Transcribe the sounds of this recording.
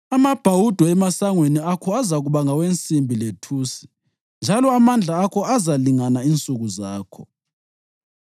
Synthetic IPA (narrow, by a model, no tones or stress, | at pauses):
amab̥ʱawud̥ʱɔɛmasaŋweniakʰɔazaɣuβaŋawent͡sʼimbʱiletʰuːsi̥ | nd͡ʒʱalɔamand͡ɮʱaːkʰɔazaliŋanaint͡sʼuɣuzaːkʰɔ